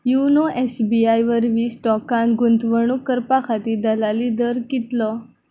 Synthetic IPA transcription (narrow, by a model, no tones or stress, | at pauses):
junoʔesbiajʋəɾʋiːsʈɔkãnɡunt̪ʋəɳukəɾpakʰat̪iːd̪əlalid̪əɾkit̪lɔ